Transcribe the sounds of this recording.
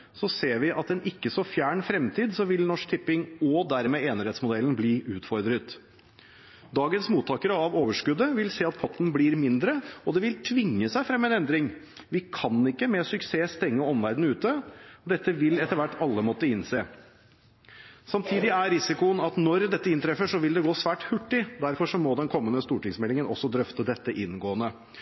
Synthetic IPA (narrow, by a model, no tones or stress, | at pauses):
sɔseːɾʋɪʔɑt̪ɛnʔɪkːəsɔfjæːɳfɾɛmt̪ʰiːd̪sɔʋɪlnɔʂk̚t̪ʰɪpːɪŋɔd̪æɾmɛːeːnəɾeːt̪smʊd̪ɛln̩bliːʔʉːt̪fɔɾd̪ɾət̪ | d̪ɑːɡənsmuːt̪ʰːɑːkəɾəɑʋoːʋəʂkʉd̪əʋɪlseːɑt̪̚pʰɔt̪ːn̩bliːɾmɪnd̪ɾəɔd̪ɛʋɪlt̪ʰʋɪŋːəsæɪfɾɛmːɛnɛnd̪ɾɪŋ | ʋɪkʰɑnɪkːəmɛsʏkseːst̪ɛŋːəɔmʋæɾd̪n̩ʉːt̪əɔd̪ɛt̪ːəʋɪlɛt̪ːəɾʋæʈːɑlːəmɔt̪ːəɪnseː | sɑmt̪ʰiːd̪ɪæɾɪsɪkʊənɑt̪nɔɾd̪ɛt̪ːəɪnt̪ʰɾɛfəʂɔʋɪld̪ɛɡoːsʋæːʈhʉʈːɪd̪æɾfɔʂɔmɔd̪ɛnkʰɔmːənəst̪uːʈɪŋsmɛlɪŋənɔ̰sːɔd̪ɾœft̪əd̪ɛt̪ːəʔɪnɡoːənə